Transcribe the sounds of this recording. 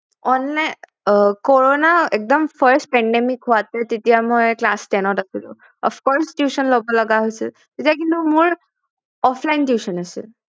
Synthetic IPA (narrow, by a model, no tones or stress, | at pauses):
ɔnːa | koɹonaek̚d̪əmpʰəɾsʈ̚pɛɳɖemikɦoat̪ɛt̪it̪ijamɔjklasʈɛnɔʈasilṵ | ɔ̰fʰkɔɾsʈjusənlɔbɔləɡaɦojsʰḛ | t̪et̪ijak̬int̪umuɹ | ɔpʰlajnʈjusənasḛ